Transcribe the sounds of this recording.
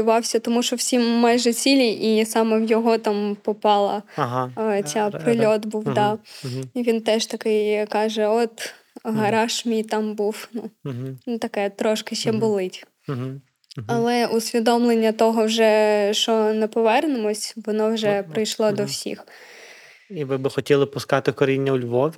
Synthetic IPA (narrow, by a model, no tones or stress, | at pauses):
ʊʋɑwsʲɐt̪ɔmuʃt͡ʃɔwsʲimːɑjʒɛt͡sʲilʲiʔisɑmɛwjɔɦɔt̪ɑmpɔpɑlˠɐ̰ | t͡sʲɑpɾɪlʲɔt̪buwd̪ɑiʋʲint̪ɛʒt̪ɐkɪjkɑʒɛɔt̪ | ɦɐɾɑʃmʲijt̪ɑmbuwnut̪ɐkɛt̪ɾɔʃkɪʃɛbʊlˠɪtʲ | ɐlˠɛusʲʋʲid̪ɔmlˠenʲːɐt̪ɔɦɔwʒɛʃt͡ʃɔnɛpɔʋɛrnɪmɔsʲʋɔnɔwʒɛpɾɪjʃlˠɔd̪ɔwsʲḭx | iʋɪbɪxɔtʲilˠɪpʊskɑt̪ɪkɔɾʲinʲːɐʊlʲʋɔwʲ